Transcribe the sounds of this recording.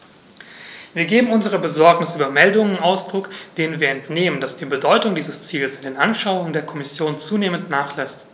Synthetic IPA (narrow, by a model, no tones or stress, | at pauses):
viːɐɡeːbm̩ʊnzəʁ̞əbəzɔɐknɪsʔyːbɐmɛldʊŋənnaʊsd̥ʁʊkd̥eːnənviːɐɛntneːməndasd̥iːbədɔʏtʊŋdiːzəst͡siːləsɪndeːnʔanʃaʊʊŋəndeːɐkʰɔmɪsjoːnt͡suːneːməntnaːχlɛst